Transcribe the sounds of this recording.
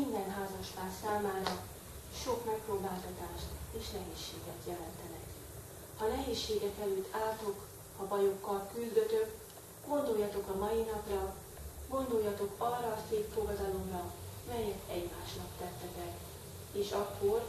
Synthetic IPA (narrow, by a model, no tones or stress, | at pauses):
ind̪ɛnɦaːzɒʃpaːsaːmaːɾɒ | ʃo̞kmɛk̚proːbaːlt̪ɒt̪aːʃt̪eːʃnɛɦeːʃːeːɡɛt̪jɛlɛnt̪ɛnɛk | hɒnɛɦeːʃːeːɡɛkɛløːt̪ːʰaːlt̪o̞k | hɒbɒjo̞kːɒlkyzd̪ø̞t̪ø̞k | ɡ̥o̞nd̪o̞jːɒt̪o̞kɒmɒjinɒprɒ | ɡo̞nd̪ojːɒt̪o̞kɒrːɒːseːpfoɡɒd̪ɒlo̞mrɒmɛjɛkɛɟmaːʃnɒpt̪ɛt̪ːɛt̪ɛk | eːʃɒkːo̞r